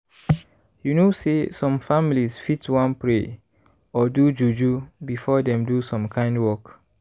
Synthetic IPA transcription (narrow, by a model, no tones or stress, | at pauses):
junosesɔ̃mfamilisfitwãnpɹe | ɔdud͡ʒud͡ʒubifɔdɛ̃mdusɔ̃mkʰãɪ̃ndwɔk